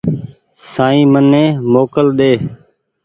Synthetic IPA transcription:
saːĩːmənːẽːmoːkəlɗeː

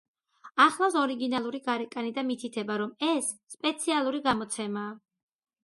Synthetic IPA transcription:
aχlˠasɔɾiɡinalˠuɾiɡaɾɛkʼanid̪amit̪ʰit̪ʰɛbaɾɔmɛsːpʼɛt̪sʰialˠuɾiɡamɔt̪sʰɛmaː

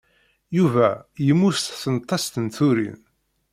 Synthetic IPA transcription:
juvæjəmːust̪θənt̪ˤːɑst̪ənθuɾḭn

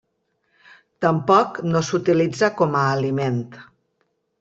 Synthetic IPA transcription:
t̪əmpɔknosut̪ilid͡zakɔməːliment̪

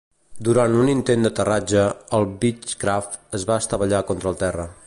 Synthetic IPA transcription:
d̪uɾant̪unint̪end̪ət̪ərad͡ʒəəlˠbit͡ʃkɾaft̪əzβaəst̪əβəʎakɔnt̪ɾəlˠt̪ɛrə

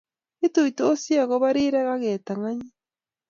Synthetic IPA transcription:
ituitoːsjaɣoβaɾiɾeɣaɣeːtaŋaɲi

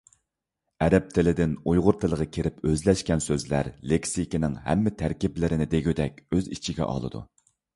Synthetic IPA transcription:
ɛɾɛp̚t̪ʰɪlɪd̪ɪnujʁʊɾt̪ʰɨlˠəʁɑkʲʰeɾɪpøzlɛʃkʲɛnsøzlæ̰ɾlekʲsikʲinɪŋhæ̰mːɪt̪ʰæɾkʲiplɪɾɪnɪd̪eɡʲyd̪ɛkʲøzit͡ʃʰiɡʲɛ̰ʔɑ̰lˠɨ̰d̪ṵ

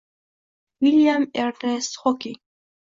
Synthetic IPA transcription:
wiljamɛɾnest̪hɔki

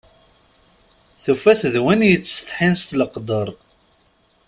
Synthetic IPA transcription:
θufæθðwænjət͡sːst̪ħinst̪ləqd̪əɾˤ

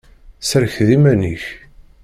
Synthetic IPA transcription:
səɾçðimæniç

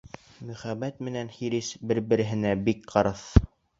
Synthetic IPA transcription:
mɵ̆χæβæt̪̚mɘ̆nænχiɾisbɘɾbɘ̆ɾɘ̆ɦɘ̆næbikqɑɾɤθ

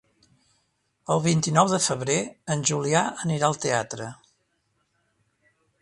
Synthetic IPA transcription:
əlˠβint̪inɔwðəfəβ̞ɾeənʲʒuliaəniɾaəlˠt̪eat̪ɾə

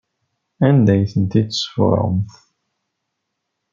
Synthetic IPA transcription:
ænd̪æjθənt̪it̪ːsə̥fɾˤə̰mθ

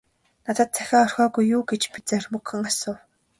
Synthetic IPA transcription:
nat̪ə̆t̪̚t͡sʰæ̥xʲaːɔr̥xʲɔːɣujːuːɡet͡ɕpit͡sermukɘ̆ŋasʊːw

